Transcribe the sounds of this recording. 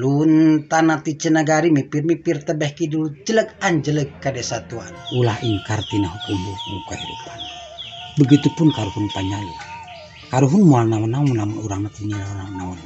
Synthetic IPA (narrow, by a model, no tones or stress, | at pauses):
lunt̪anat̪it͡ʃənaɡaɾimipirmipirt̪əbɛhkidulud͡ʒələkaɲd͡ʒələkːadɛsat̪ua̰nulahiŋkart̪inaɦukumbumukaɦidṵpan | bəɡit̪upunkaɾuhunp̪aɲalṵ | kaɾuɦunmualnawanamunamunuɾaŋnat̪iɲinaananaɔn